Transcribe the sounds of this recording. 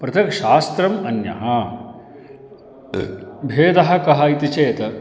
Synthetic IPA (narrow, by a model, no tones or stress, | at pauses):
pɾɐt̪ʰɐkʃaːst̪ɾɐmɐnjɐ̰ɦɐ | bʱeːd̪ɐɦɐ̆kɐɦɐit̪it͡ʃeːt̪ɐ